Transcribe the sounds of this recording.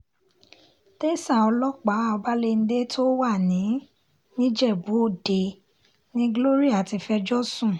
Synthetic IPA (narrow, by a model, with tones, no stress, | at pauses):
te˦sa˦˨ɔ˧lɔ˦k͡pa˨˦ɔ˧ba˦le˧n̩˦de˦tʰo˦wa˦˨nĩ˨˦ | nĩ˦d͡ʒɛ˦˨bo˨˦˨de˨ | nĩ˦ɡlo˦ɾi˦a˨ti˧fɛ˧d͡ʒɔ˦sũ˦˨